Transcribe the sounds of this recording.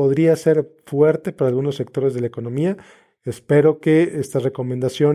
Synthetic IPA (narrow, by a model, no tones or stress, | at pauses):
oðɾiase̞ɾfwe̞ɾt̪e̞paɾaːlɣunosːe̞k̚t̪o̞ɾe̞zð̞e̞laeko̞no̞mia | espe̞ɾo̞ke̞est̪azre̞ko̞mend̪asjo̞